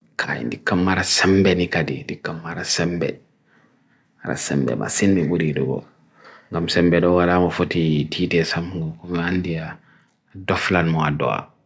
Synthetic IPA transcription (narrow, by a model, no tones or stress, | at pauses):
kʰa̰jḭndikːamːaɾasembenikadḭndikːamːaɾasɛmbɛ̰ | aɾa̰sḛmbḛma̰sinmibuɾidṵɡo̰ | ŋɡamsɛmbɛdɔwalamafotitʰiːtesamŋɡakumiandia | doflanmɔado̰a̰